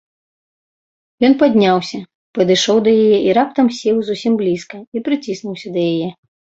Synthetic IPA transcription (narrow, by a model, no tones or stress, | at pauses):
jɔnpad̪ʲnʲawsʲɐ | pɐd̪ɨʂɔwd̪ɐjajɛʔiɾap̚t̪ɐmsʲɛwzusʲimblʲiskɐipɾɨt͡sʲisnuwsʲɐd̪ɐjajɛ